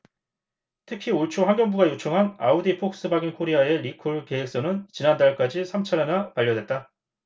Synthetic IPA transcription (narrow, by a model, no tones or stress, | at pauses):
tʰɯkʰioɭt͡ɕʰoɸwaŋɡjʌŋbuɡajot͡ɕʰoŋɦana̰odipʰok̚s͈ɯbaɡinkʰoɾiae̞ɾikʰuɭke̞ek̚s͈onɯnt͡ɕinandaɭk͈ad͡ʑisʰamt͡ɕʰaɾenapaʎːʌdwe̞t̚t͈a